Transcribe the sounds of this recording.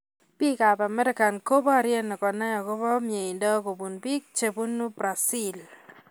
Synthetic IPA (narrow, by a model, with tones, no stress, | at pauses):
pi˦ka˨ba˨mɛ˦ɾɪ˦ka˨nko˦bɔ˦a˨ɾjɛ˦nɔ˨kɔ˨na˦ja˨ko˦bɔ˦mje˨ɪ˨ndɔ˦ko˨bu˨nbi˦k̚t͡ʃe˨bu˦nu˦bɾa˨si˦l